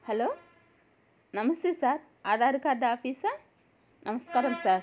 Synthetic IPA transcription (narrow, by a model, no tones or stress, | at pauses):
hɐloː | nɐmɐst̪eːsaːɾ | aːd̪ʱaːɾikaːd̪ːaaːfiːsɐ | nʔɐmɐst̪kaːɾɐmsaːɾ